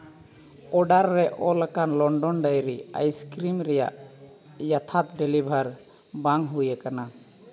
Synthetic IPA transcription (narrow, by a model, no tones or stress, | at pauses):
ɔɖaɾːɛʔɔlakanlɔɳɖɔnɖajɾia̰jskɾimɾɛja̰ʔ | jat̪ʰat̪̚dɛlibʱaɾ | baŋɦujakana